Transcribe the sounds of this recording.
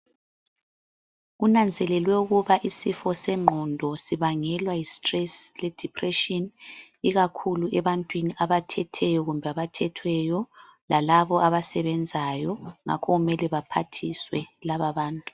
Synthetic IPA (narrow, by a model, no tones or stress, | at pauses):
ɣunand͡zʱɛlɛlwɛuɣuβaʔisifɔsɛŋ͡ǃʱɔndʱɔsiβaŋɛlwajistʼrɛslɛd̥ʱipʰʼrɛʃɔn | iɣakʰuluʔɛβantʼwiniʔaβatʰɛtʰɛjɔɣumbʱɛaβatʰɛtʰwɛjɔlalaβɔaβasɛβɛnd͡zʱajɔŋa̰kʰɔɣumɛlɛβapʰatʰiswɛlaβaβaːntʼu̥